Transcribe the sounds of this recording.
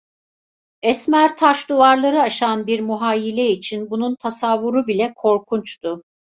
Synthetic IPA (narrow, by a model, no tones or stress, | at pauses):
ɛsmæɾt̪ʰaʃd̪uvaɾlˠaɾɯaʃanbiɾmuɦaːjilʲɛit͡ʃʰinbununt̪ʰasavːuɾubilʲɛkʰo̞ɾkʰunt͡ʃt̪ʊ